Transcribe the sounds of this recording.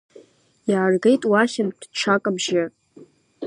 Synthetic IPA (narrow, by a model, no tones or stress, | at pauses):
jaːrɡejtʼwaʃʲɪnd̥ʈ͡ʂʷʰakʼabʒɪ